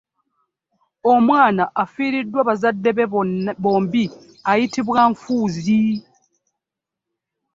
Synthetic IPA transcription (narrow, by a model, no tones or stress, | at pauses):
o̞mwaːnaʔafiːɾidːwaβazadːeβo̞ːmbi | ajitiβwaɱfuːzi